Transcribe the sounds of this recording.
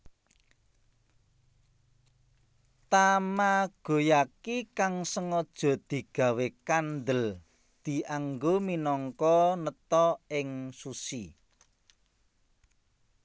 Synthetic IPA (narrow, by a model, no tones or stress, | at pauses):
t̪amaɡ̥o̤jakikaŋsəŋɔd̥ʒ̥ɔ̤d̪̥i̤ɡ̥ä̤wekand̪əl | d̪̥i̤ʔaŋɡominɔŋkɔnət̪ɔɪŋsusi